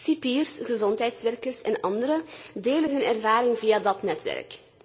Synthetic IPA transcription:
sipiːrsɣəzɔntɦɛjtsʋɛrkərsɛnɑndəɾədeːlənɦɵnɛrvaːɾɪŋvijaːdɑtnɛtʋɛ̰rk

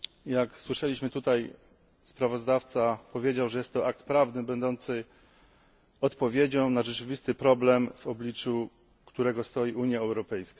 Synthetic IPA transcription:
jakswɘʂɛlʲiɕmɘt̪ut̪aj | spɾavɔzd̪aft̪sapɔvʲjed͡ʑawʐɛjɛst̪ːɔʔak̚t̪pɾavnɘbɛnd̪ɔnt̪sɘ | ɔt̪pɔvʲjed͡ʑɔ̃w̃naʐɛt͡ʂɘvʲist̪ɘpɾɔblɛmvɔblʲit͡ʂu | kt̪uɾɛɡɔst̪ɔjiuɲjaɛwɾɔpɛjska

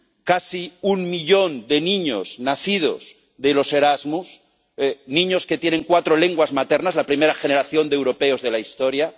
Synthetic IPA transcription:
kasiunmiʎo̞nd̪e̞nĩɲo̞̰z̥naθið̞o̰z | ðelo̞se̞ɾazmus | nĩɲo̞sket̪jeneŋkwat̪ɾole̞ŋɡwazmat̪e̞ɾnazlapɾime̞ɾaxeneɾaθjo̞nd̪ewɾo̞pe̞o̞zðe̞laist̪o̞ɾja

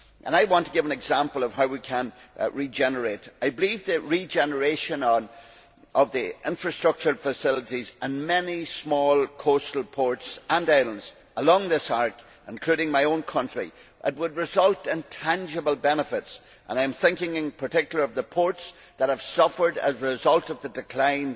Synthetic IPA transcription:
ʔə̰̃naɪwɑ̃ntʰəɡɪvə̃nɨɡzãmpəlˠʌv̥ɦaʊwikʰə̃nɹid͡ʒɛnə˞etaɪbɪlivðɨɹid͡ʒɛnə˞eʃə̃nn | ʔʌvðiʔɪ̃ɱfɹəstɹ̥ʌk̚t͡ʃə˞fəsɪlˠəɾizə̃nmɛnismɔlˠkʰostl̩ˠpʰɔɹtsə̃naɪlə̃ndz̥ | ʔəlɔ̃ŋðɪsaɹk | ʔɪ̃nkʰl̥ʉɾɪ̃ŋmaɪõnkʰʌ̃nt͡ʃɹ̥ḭʔɪt̚wəd̚ɹɨzʌlˠtɪ̃ntʰãnd͡ʒəbəl̩ˠbɛnəfɪts | ʔə̰̃nãɪɨ̃mθɪ̃ŋkɪ̃ŋɪ̃npʰə˞tʰɪkjl̩ˠə˞ʌvðəpʰɔɹts | ðət̚həv̥sʌfə˞də̰zɹɪzʌlˠtʌvðədɨkʰl̥ãɪ̃n

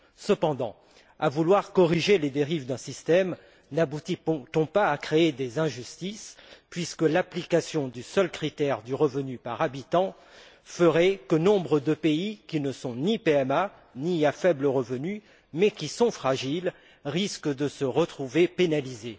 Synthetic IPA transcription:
səpɑ̃d̪ɑ̰̃ | a̰vulwaʁkɔʁiʒeled̪eʁivd̪ɛ̃sist̪ɛm | nabut̪it̪ɔ̃paːkχeed̪ezɛ̃ʒyst̪ispɥiskəlaplikasjɔ̃d̪ysœlkχit̪ɛʁd̪yʁəvənypaʁabit̪ɑ̃ | fəʁɛkənɔ̃bʁəd̪əpeikʲinəsɔ̃nipeɛma | niafɛbləʁəvəny | mɛkʲisɔ̃fχaʒil | ʁiskəd̪əsəʁət̪χuvepenalize

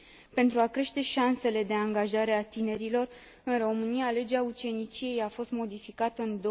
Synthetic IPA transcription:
pe̞nt̪ɾuakɾe̞ʃt̪e̞ʃanse̞le̞d̪e̞aŋɡaʒaɾe̞at̪ine̞ɾilo̞r | ɨnro̞mɨniale̞d͡ʒeaut͡ʃe̞nit͡ʃije̞jafo̞st̪mo̞d̪ifikat̪əɨnd̪o

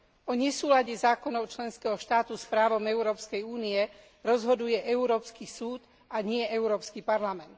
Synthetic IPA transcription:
ɔɲɛsuːlaɟɛzaːkɔnɔʊt͡ʃlɛnskɛɦɔʃt̪aːt̪uspɾaːʋɔmɛʊɾɔːpskɛjuːniɛ | ɾɔzɦɔd̪ujɛʔɛuɾɔːpskisuːt̪ | aɲɪɛʔɛʊɾɔːpskipaɾlamɛnt̪

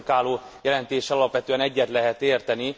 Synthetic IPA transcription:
kaːloːjɛlɛnt̪eːʃɛɒlɒpʋɛt̪øːɛnɛɟːɛt̪lɛɦɛt̪eːrt̪ɛni

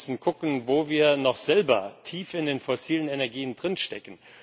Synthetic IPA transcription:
sn̩ɡʊkn̩voːviːɐnɔχz̥ɛlbɐ̰tʰiːfɪndeːnfɔsiːlənɛnɛɐɡiːəndʁɪnʃtɛkn̩

